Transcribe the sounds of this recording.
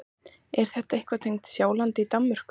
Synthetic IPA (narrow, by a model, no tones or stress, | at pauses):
ɛɾ̥θɛht̪aeŋkvat̪ʰejŋt̪sjaːwlant̪ɪit̪amːʏr̥k